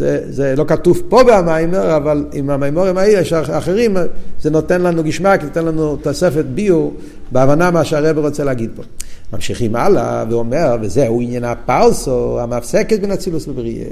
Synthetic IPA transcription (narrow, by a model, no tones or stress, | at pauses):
zɛzɛlokat̪uvpobeamajmeʁavalimamajmoʁimaiɛʃaaχeʁimzɛnɔt̪ɛnlanuɡiʃmakinot̪ɛnlanut̪osɛfet̪̚biu | beavanamaʃeaʁɛbeʁɔt͡sɛlaɡid̪̚pomamʃiχima̰la̰veɔmɛʁvɛzɛuinjɛnapalsoamafsɛkɛt̪bɛnat͡silusbəbʁiḛ